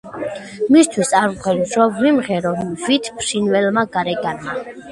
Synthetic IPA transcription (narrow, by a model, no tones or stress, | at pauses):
mist̪ʰwisaɾqʰwɛnɾɔvimʁɛɾɔvit̪ʰpʰʃinvɛlmaɡaɾɛɡanma